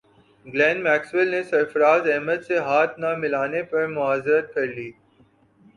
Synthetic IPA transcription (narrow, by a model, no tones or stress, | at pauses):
ɡlɛ̃ːnmɛːkswɪlnesɐɾfɐɾaːzɛɦməd̪seɦaːt̪ʰnamɪlaːnepɐɾmʊaːzɾət̪̚kɐɾliː